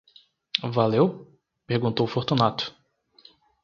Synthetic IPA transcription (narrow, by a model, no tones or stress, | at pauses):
valew | peɾɡũnt̪owfoɾt̪unat̪ʊ̥